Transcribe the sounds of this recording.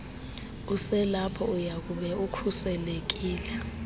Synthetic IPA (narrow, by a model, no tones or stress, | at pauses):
usɛlapʰɔujak̬uɓɛukʰusɛlek̬iːlɛ